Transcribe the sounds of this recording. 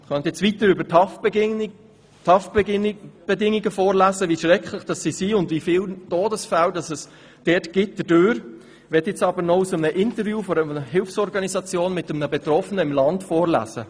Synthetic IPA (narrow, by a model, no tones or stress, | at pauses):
χœntɛt͡sʋitəɾʏbətʰɑ | tʰɑf | b̥ɛdɪŋiɡəfoːɾlæːzəviʃɾɛkχlɪχd̥ɑsːisiʊndvifɪːltoːdəsfældɑsɛs | d̥ɛːtɡ̥ɪt̚d̥ədøːɾ | ʋɛtɪt͡sɑbəɾnɔusəmənəʔɪntəɾvjuːfɔɾəəɦɪlfsɔɾɡɑnisɑt͡sjoːnmɪtəmnəbɛt̪ɾɔfənəɪmlɑntfɔːɾlæ̰ːz̥ə̰